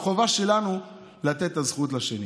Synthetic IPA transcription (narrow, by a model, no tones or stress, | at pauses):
χo̞vaʃe̞lanu | lat̪e̞t̪ːazχut̪laʃeni